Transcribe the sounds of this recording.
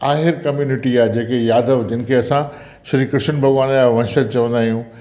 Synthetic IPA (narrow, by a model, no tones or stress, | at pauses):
aːɦɪɾkɐmjuːnɪʈiaːd͡ʑeːkejaːd̪əʋd͡ʑən̆kʰeɐsã | ʃɐɾikɾɪʃənbʱɐɣʋaːnlaʋɐ̃nʃət̪̚t͡ɕɐʋə̃nd̪aːɦijũː